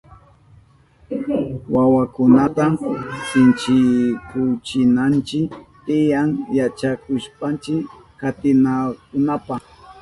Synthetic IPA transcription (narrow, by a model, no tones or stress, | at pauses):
wawakʊnat̪asɪnt͡ʃɪkʊt͡ʃɪnant͡ʃɪkt̪ɪjaŋjat͡ʃakʊʃpant͡ʃɪk | kat̪ɪnakʊnapa